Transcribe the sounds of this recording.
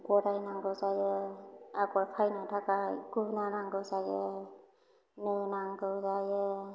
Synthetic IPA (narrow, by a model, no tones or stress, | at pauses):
ɡɔɾajnaŋɡɯwzajɯakɔɾpʰajnatʰakaɡ̥unanaŋɡɯwzajɯ | nɯnaŋɡɯwzajɯ